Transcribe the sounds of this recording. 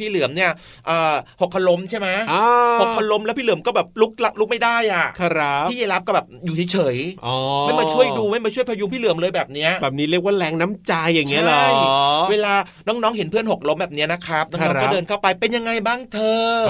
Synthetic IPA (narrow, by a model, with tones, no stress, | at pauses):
pʰiː˥˩lɯ˨˩˦əmni˥˩ɐ | ʔɤː˨˩ho˨˩kʰːa˧lo˧˦˥mt͡ɕʰa˥˩jma˦˥aː˧ho˨˩kkʰːa˧lo˧˦˥mlɛ˦˥wpʰiː˥lɯ˩˦mkɔː˥˩bɛː˨˩p̚lu˦˥k̚la˦˥lu˦˥k̚ma˥˩jdaː˥˩jʔa˨˩kʰpʰiː˥˩jeː˧la˦˥p̚kɔː˥˩bɛː˨˩p̚juː˨˩t͡ɕʰa˦jt͡ɕʰɤː˩˦jʔɔː˨˧˩ma˥˩jmaː˧˩t͡ɕʰu˥˩əjduː˧ma˥˩jmaː˧t͡ɕʰu˥˩əpʰa˧ju˧mpʰiː˥˩lɯ˨˩˦əmlɤː˧jbɛː˨˩p̚ni˦˥ɐʔbɛː˨˩p̚ni˦˥ɾək̚waː˥˩lɛː˧˥ŋna˦˥mt͡ɕa˧jːa˨˩ŋŋːi˦˥ɐ˦lːjweː˧laː˧ | nɔː˦˥ŋ̚nɔː˦˥ŋɦe˩˦npʰɯ˥˩ənɦo˨˩k̚lo˦˥mbɛː˨˩ni˦˥ɐna˦˥kʰɾa˦˥p̚nɔ˥nː˧˦kɔ˥˦˥dɤː˧nkʰa˥˩wpa˧jpe˧nja˧ŋa˧jbaː˥˩ŋt̪ʰɤː˧